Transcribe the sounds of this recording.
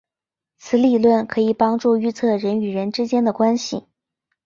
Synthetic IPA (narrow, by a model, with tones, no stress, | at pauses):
t͡sʰɹ̩˧˥li˥˩lwə˥˩nkʰɤ˧˥i˨˩pɑ˥ŋʈ͡ʂu˥˩y˥˧t͡sʰɤ˥˩ɻə˧˥ny˨˩ɻə˧˥nʈ͡ʂɻ̩˥t͡ɕjɛ˥nd̪ə˨kwa˥nɕḭ˨˩